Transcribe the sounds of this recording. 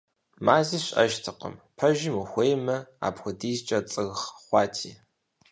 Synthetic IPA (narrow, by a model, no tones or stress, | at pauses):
maːziːɕʼɐ̰ʒtʰɨqə̰mpʰɐʒimuxʷejmɐa̰ːpxʷʊdiːzt͡ʃʼɐt͡sʼɨɣχχʷɑːtʰḭː